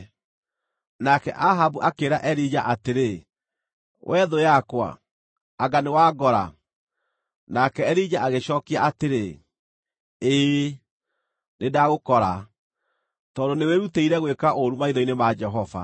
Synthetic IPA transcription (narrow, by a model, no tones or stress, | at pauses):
nakɛʔaɦabuʔakeɾaʔɛɾid͡ʑaʔateɾe | wʔɛðojakwa̰ː | ɡanewaɡɔɾa̰ | nakɛːɾid͡ʑaʔaɣeɕɔːkiaateɾe | eː | nedaɣokɔɾa | tɔːdoneweɾuteiɾɛɣwekaʔoɾumaiðɔinemad͡ʒɛɦɔva̰